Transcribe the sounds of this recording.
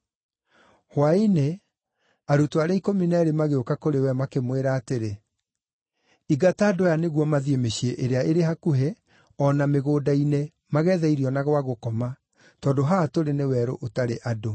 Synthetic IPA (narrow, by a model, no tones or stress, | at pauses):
hwaine | aɾutoaɾaikɔminɛɾimaɣeokakoɾewɛmakemweɾaːteɾe | iɡataːdojaneɣwɔmaðiemeɕieʔeɾeaʔeɾeɦakuɦe | ɔnameɣoːdaine | maɣɛːðɛiɾiɔnaɣwaɣokɔma | tɔːdoɦatoɾenewɛːɾo̰ʔotaɾeʔado